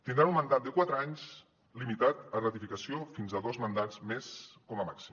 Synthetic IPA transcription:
t̪ind̪ɾanumːənd̪at̪̚d̪əkwat̪ɾəaɲz | limit̪at̪ərət̪ifikəsiofinzəðozmənd̪azmeskɔməmaksim

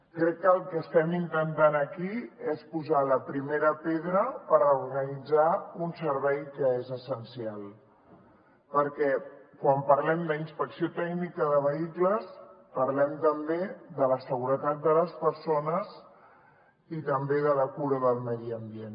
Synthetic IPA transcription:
kɾɛkːəːlˠkəst̪ɛmint̪ənt̪anəkiespuzaləpɾimeɾəpeðɾəpəɾəuɾɣənid͡zaunsəɾβɛjkəezəsənsialˠ | pəɾkɛkwampəɾlɛmd̪əinspəksiot̪ɛɡnikəðəβ̞əikləspəɾlɛmt̪əmbeðələsəɣ̞uɾət̪at̪̚d̪ələspəɾsonəz | it̪əmbeðələkuɾəðəlˠmɛðiəmbien

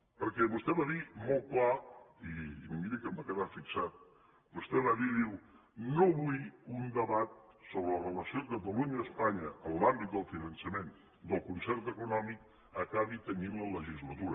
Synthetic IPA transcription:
pəɾkɛβust̪ɛβaðimolˠklaimmiɾəkəmbakəðafiksat̪̚ | bust̪ɛβaðiðiw | noβujund̪əβat̪̚ | soβɾələrələsiokət̪̬əluɲəːspaɲəəːmlambit̪̚d̪əlˠfinənsəmen | d̪əlˠkunsɛɾt̪əkunɔmik̚ | əkaβit̪əninlələʒizlət̪uɾə

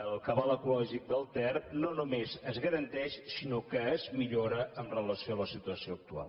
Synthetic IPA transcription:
əlˠkəβaləkulɔʒik̚d̪əlˠt̪ɛrnonumezəzɣəɾənt̪ɛʃsinokəːzmiʎoɾəənrələsioaləsit̪uəsioək̚t̪ua̰lˠ

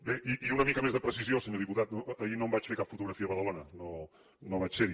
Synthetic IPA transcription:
beʔiʔiunəmikəmezðəpɾəsiziosəɲoðiput̪at̪noːinombat͡ʃfeɾkapfut̪uɣɾəfiəβəðəlonəno | noβat͡ʃseɾi

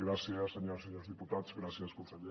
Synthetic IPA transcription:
ɡɾasjaseɲoɾseɲoɾzðiput̪aðsɣɾasjaskõnseʎe

